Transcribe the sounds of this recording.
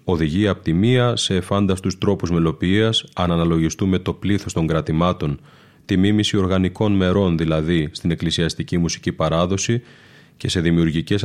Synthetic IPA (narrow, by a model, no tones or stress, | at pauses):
o̞ðiʝiɐːpo̥t̪imiɐse̞ːfɐnd̪ɐst̪ust̪ɾo̞puzme̞lo̞piiɐsɐnɐnɐlo̞ʝist̪ume̞t̪o̞pliθo̞st̪o̞ŋɡɾɐt̪imɐt̪o̞n | t̪imimisio̞ɾɣɐniko̞nme̞ɾo̞nðilɐðist̪ine̞klisiɐst̪icimusi̥cipɐɾɐðo̞si | ce̞se̞ðimiuɾʝice̞s